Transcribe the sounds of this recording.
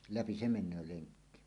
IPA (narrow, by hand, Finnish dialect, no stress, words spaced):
læpi se menˑøː leŋkːi